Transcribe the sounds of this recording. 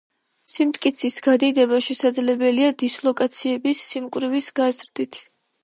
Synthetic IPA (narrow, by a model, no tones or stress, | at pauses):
simt̪ʼkʼit̪sʰisɡad̪id̪ɛbaʃɛsad̪zlɛbɛliad̪islˠɔkʼat̪sʰiɛbisːimkʼvɾivisɡ̥azɾd̪it̪ʰ